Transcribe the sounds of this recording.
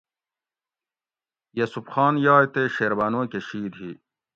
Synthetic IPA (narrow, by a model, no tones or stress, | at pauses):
jɐsupxaːnjaːet̪eɕeːɾbaːnoːkeɕiːd̪ɦi